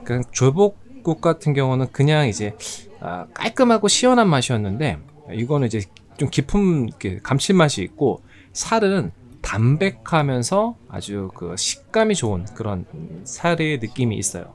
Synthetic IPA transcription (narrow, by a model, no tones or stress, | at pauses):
kɯt͡ɕoɭbok̚k͈uk̚k͈atʰɯnɡjʌŋunɯnkɯɲaŋid͡ʑe̞ʌ̰k͈a̰ɭk͈ɯmɦaɡoɕʰiwʌnɦanmaɕʰijʌnːɯnde̞̰ | iɡʌnɯnid͡ʑe̞ | t͡ɕomkipʰumikʰe̞̰kamt͡ɕʰiɭmaɕʰiik̚k͈o | sʰaɾɯn | tambe̞kʰamjʌnsʰʌa̰d͡ʑukɯ̰ɕʰi̥k̚k͈amit͡ɕoːnkɯɾʌnsʰaɾenɯk͈imḭːs͈ʌjo̰